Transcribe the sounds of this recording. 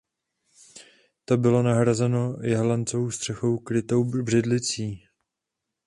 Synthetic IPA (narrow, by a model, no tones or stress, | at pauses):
t̪o̞bɪlo̞naɦɾazɛno̞jɛɦlant͡sovowst̪r̝̥ɛxo̞wkɾɪt̪o̞wbr̝ɪdlɪt͡siː